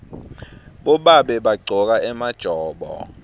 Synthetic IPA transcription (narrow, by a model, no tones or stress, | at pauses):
ɓɔɓaɓɛɓaɡ͡ǀʱɔk̬aʔɛmad̥ʒ̥ʱɔːɓɔ̰